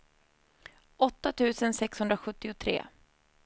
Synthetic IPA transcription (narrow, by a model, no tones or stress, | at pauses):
ɔt̪ːat̪ʰʉ̟ːsənsɛkshɵnd̪ɾaɧɵt̪ːɪʊt̪ʰɾḛː